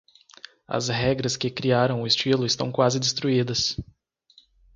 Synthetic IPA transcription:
ɐ̰zɦɛɡɾɐskɪkɾiaɾɐ̃w̃ʊɪst͡ʃilʊɪst̪ɐ̃w̃kwazɪd̪ɪst̪ɾuid̪ɐs

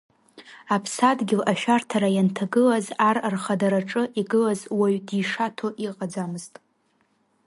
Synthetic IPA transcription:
apʰsadɡʲɪlaʃᶣartʰaɾajantʰaɡɨlazararχadaɾaʈ͡ʂʼɨʔiɡɨlazwaɥdiʂatʰo̞ʔiqʼad͡zamɨztʼ

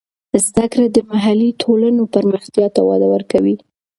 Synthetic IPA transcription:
zd̪akɾad̪əmaɦalit̪ʰolanopəɾməxt̪jɑt̪awɑ̰d̪awəɾkawi

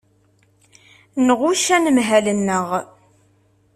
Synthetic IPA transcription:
nəʁʊʃænəmɦælənːəʁ

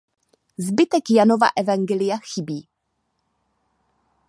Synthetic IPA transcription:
zbɪt̪ɛkjanova̰ʔɛvaŋɡɛlɪjaxɪbiː

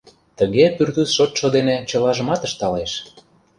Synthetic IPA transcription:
t̪əɣepyrt̪ysʃot̪ʃod̪enet͡ɕə̆lɑʒə̆mɑt̪əʃt̪ɑleʃ

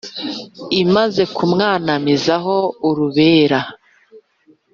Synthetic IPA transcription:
imaze̞kumŋaːnamizaɦo̞uɾuβeːɾa

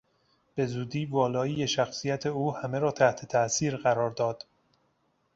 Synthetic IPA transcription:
b̥e̞zuːd̪iːvɒːlɒːiːjeʃæxsijæt̪ʰeuːhæmeɾɒːt̪ʰæht̪ʰe̞t̪ʰæʔsiːɾɢæɾɒːɾd̪ɒːd̪̥

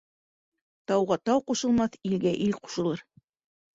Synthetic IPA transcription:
t̪ɑwʁɑt̪ɑwquʃɤ̆lˠmɑθilɡæʔilqu̥ʃɤ̆lˠɤɾ

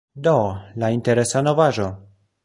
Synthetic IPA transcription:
dolainteɾe̞sano̞vaʒo̞

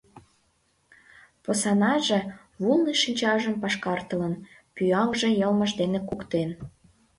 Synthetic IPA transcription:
posɑnɑʒĕ | βulniʃinʲt͡ɕɑʒəmpɑʃkɑrt̪ələn | pyɑŋʒĕjəlməʒd̪enekukt̪en

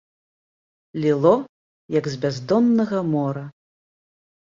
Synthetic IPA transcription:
lʲilˠɔ | jɐɡzʲbʲazd̪ɔnːɐɣɐmɔɾɐ

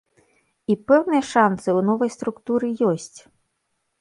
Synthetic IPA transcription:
ipɛwnɨjɐʂansɨwnɔvɐjst̪ɾukt̪uɾɨjɔsʲt͡sʲ

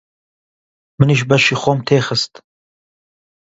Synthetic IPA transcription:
məniʃ̬bɐʃiχomt̪ʰeːxəst̪

